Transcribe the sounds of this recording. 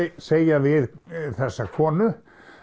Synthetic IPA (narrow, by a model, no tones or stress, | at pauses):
seːjavɪðθɛsːakʰɔːnʏ